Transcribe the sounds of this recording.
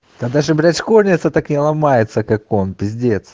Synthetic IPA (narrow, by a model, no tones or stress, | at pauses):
t̪ɐd̪aʐɨbɾʲat͡ɕkorʲnʲɪt̪sət̪aknʲɪlˠɐmajɪt̪səkako̞npʲɪzʲdʲet̪s